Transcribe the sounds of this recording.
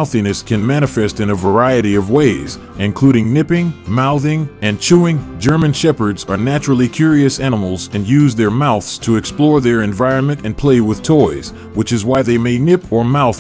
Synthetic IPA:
ʊθinɨskʰɨ̃nmæɾ̃ɨfɛstɨ̃nɨvə˞aɪɨɾiʌvweɪz | ɨ̃nkʰl̥uɾɪ̃ŋnɪpɪ̃ŋmaʊðɪ̃ŋɨ̃nt͡ʃʰuɪ̃ŋd͡ʒɜ˞mɨ̃nʃɛpə˞dzə˞næt͡ʃɹl̩ˠikʰj̥ʊɹiɨsænəml̩ˠzɨ̃njʉzðə˞maʊθstʰəɨksplɔɹðə˞ɨ̃ɱvaɪɹɨ̃nmɨ̃ntɨ̃npʰl̥eɪwɨð̥tʰɔɪz̥ | wɨt͡ʃɨzwaɪðeɪmeɪnɪpʰə˞maʊθ

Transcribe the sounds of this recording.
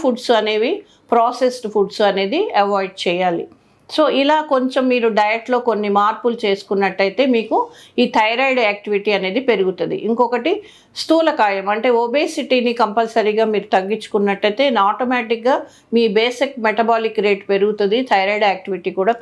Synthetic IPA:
pʰuɖsɐne̞ːʋi | pɾaːse̞sʈpʰuɖsuɐne̞ːd̪iɐʋaːjɖ̚t͡ʃɛːjaːlḭ | so̞ːʔilaːko̞ɲt͡ʃemːiːɾuɖɐjɐʈlo̞ːko̞nːimaːɾpult͡ʃe̞ːsu̥kunːɐʈːɐjt̪e̞ːmiːkuiːt̪ʰɐjɐɾɐjɖaːk̚ʈiʋiʈiːɐneːd̪ipe̞ɾuɡut̪und̪ḭʔiŋkɔkɐʈi | st̪uːlɐkaːjɐmɐɳʈe̞ːobeːsiʈiːnikɐmpɐlsɐɾiɡaːmiːɾut̪ɐɡːiɲt͡ʃːu̥kunːɐʈːɐjt̪e̞ːnaːʈomaːʈikɡaː | miːbeːsikmeʈɐbaːlikɾe̞ːʈpe̞ɾuɡut̪und̪it̪ʰɐjɾaːjɖaːk̚ʈiʋiʈiːkuːɽaː

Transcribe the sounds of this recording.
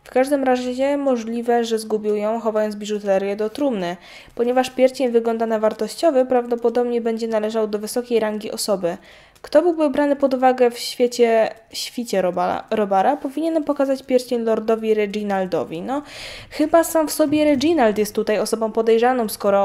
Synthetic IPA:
fkaʐd̪ɘmɾaʑɛɲɛmɔʐlʲivɛʐɛzɡubʲiwjɔ̃w̃xɔvajɔnt̪bʲiʐut̪ɛɾʲjɛd̪ɔt̪ɾumnɘ | pɔɲɛvaʂpʲjɛɾt͡ɕɛɲvɘɡlɔnd̪anavaɾt̪ɔɕt͡ɕɔvɘpɾavd̪ɔpɔd̪ɔbɲɛbɛɲd͡ʑɛnalɛʐawd̪ɔvɘsɔkʲejɾaŋɡʲiʔɔsɔbɘ | kt̪ɔbɘwbɘbɾanɘpɔd̪uvaɡɛfɕfʲjet͡ɕɛɕfʲit͡ɕɛ̰ɾɔbaɾapɔvʲiɲɛnpɔkazat͡ɕpʲjɛɾt͡ɕeɲlɔɾd̪ɔvʲiɾɛɡinald̪ɔ̰vʲinɔxɘbasamfsɔbʲjɛɾɛɡʲinalt̪jɛst̪ːut̪ajɔsɔbɔ̃w̃pɔd̪ɛjʐanɔ̃wskɔɾɔ

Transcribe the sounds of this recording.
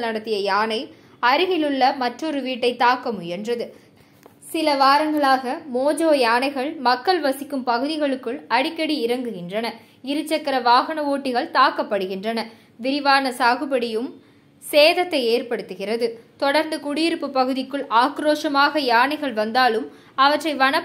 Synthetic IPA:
nɐɽɐt̪ːɪjɐjaːnɐɪ | ɐɾɯɣɪlɯɭːɐmɐʈrɔɾɯʋiːʈːɐɪt̪aːkːɐmʊjɛndrɐðɯ | sɪlɐʋaːɾɐŋɡɐɭaːɣɐmoːd͡ʒoːjaːnɐɪɣɐɭmɐkːɐɭʋɐsɪkːɯmpɐɣɯðɪɣɐɭɯkːɯɭɐɽɪkːɐɽiɪɾɐŋɡɯɣɪndrɐnɐ | ɪɾɯt͡ʃːɐkːɐɾɐʋaːɣɐɳɐʋoːʈːɪɣɐɭt̪aːkːɐpːɐɽɯɣɪndrɐnɐ | ʋɪɾɪʋaːnɐsaːɣɯbɐɽɪjɯm | seːðɐt̪ːɐɪeːrpɐɽɯt̪ːɯɣɪrɐðɯt̪ɔɽɐɾnd̪ɯkʊɽɪjɪɾɯpːɯpːɐɣɯðɪkːɯɭaːkɾoːʂɐmaːɣɐjaːɳɐɪɣɐɭʋɐnd̪aːlɯm | ɐʋɐʈrɐɪʋɐɳɐ

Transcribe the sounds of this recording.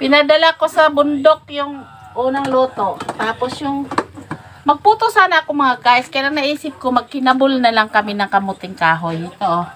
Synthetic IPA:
pɪnɐd̪ɐlako̞sɐbʊnd̪ok̚jʊŋ | ʔuːnɐŋluːt̪o̞ʔt̪aːposjʊŋ | mɐɡ̚puːt̪osaːnɐʔɐkomɐŋaɡaːʔɪskɐjalɐŋnɐʔiːsɪp̚komɐɡ̚kɪnɐbʊlnɐlaŋkɐmɪnɐŋkɐmʊt̪ɪŋkaːɦojɪt̪oʔo

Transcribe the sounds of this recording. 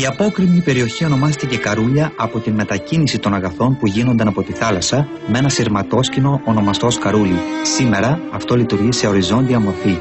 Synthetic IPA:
iɐpo̞kɾivɲipe̞ɾio̞çio̞no̞mɐst̪ece̞kɐɾuʎɐɐpo̞t̪inme̞t̪ɐcinisit̪o̞nɐɣɐθo̞npuʝino̞nd̪ɐnɐpo̞t̪iθɐlɐsɐ | me̞nɐsiɾmɐt̪o̞scino̞ʔːno̞mɐst̪o̞skɐɾulisime̞ɾɐːft̪o̞lit̪uɾʝise̞o̞ɾizo̞nd̪iɐmo̞ɾfi

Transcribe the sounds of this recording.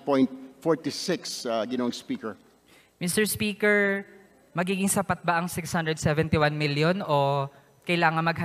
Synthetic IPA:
pɔ̃jnt̪̚fɔɹt̪isɪksaɡɪnowɐŋspiːkɛɹ | mɪst̪ɛɹspiːkɛɹ | mɐɡiːɡɪŋsɐpɐt̪̚baʔɐŋsɪkshand̪ɹɛd̪̚sɛvɛnt̪iwanmɪljono | kɐjlaːŋɐŋmɐɡ̚hɐ

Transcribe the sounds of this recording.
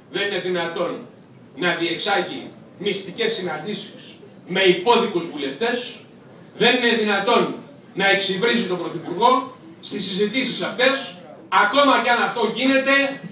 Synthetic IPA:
ðe̞nine̞ðinɐt̪o̞nː | ɐðie̞ksɐʝḭ | mist̪ice̞sːinɐnd̪isi̥s | me̞ipo̞ðikuzvule̞ft̪e̞s | ðe̞nine̞ðinɐt̪o̞nː | ɐe̞ksivɾizit̪o̞bɾo̞θipuɾɣo̞ | st̪is̬izit̪isisɐft̪e̞sɐko̞mɐceɐnɐft̪o̞ʝine̞t̪e̞

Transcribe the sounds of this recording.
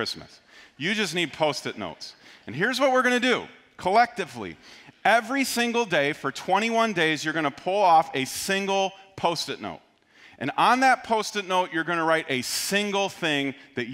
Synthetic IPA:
ɪsmɨ̰s | jɨd͡ʒʌsnid̚pʰoʊstɨtⁿno̰ʊtsɨ̃nɦɪɹzwʌt̚wɨɹɡʌnɨdɨ | kʰəlɛk̚tɨvlḭɛvɹisɪ̃ŋɡl̩ˠdeɪfə˞tʰw̥ɛ̃ɾ̃iwʌ̃ndeɪzjə˞ɡʌñəpʰʊlˠɔfɨsɪ̃ŋɡl̩ˠpʰoʊstɨtⁿno̰ʊt̚ | ʔɨ̰̃nə̃nðɨt̚pʰoʊstɨtⁿnoʊt͡ʃə˞ɡʌñəɹaɪɾʔɨsɪ̃ŋɡl̩ˠθɪ̃ŋðɨt͡ʃ

